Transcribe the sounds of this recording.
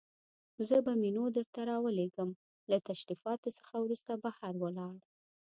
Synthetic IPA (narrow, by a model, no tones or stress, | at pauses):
zəbaminod̪əɾt̪aɾɑwəleɡəm | lat̪aʃɾifɑt̪osə̥xawɾust̪abahaɾwəlɑɽ